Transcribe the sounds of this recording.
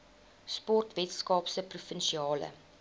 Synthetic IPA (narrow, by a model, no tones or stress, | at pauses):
spɔrtvɛtskɑːpsəprufənʃiɑːlə̰